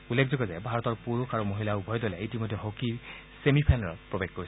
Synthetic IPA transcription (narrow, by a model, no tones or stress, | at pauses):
ulːekʰzɔɡɛzɛbʱaɹɔtɔɹpuɹukʰaɹumoɦilaubʱɔjdolɛitimɔjdʱːɛɦoki | semipʰajnɛɹɔ̰pɹɔbeɡ̚kːoɹisɛ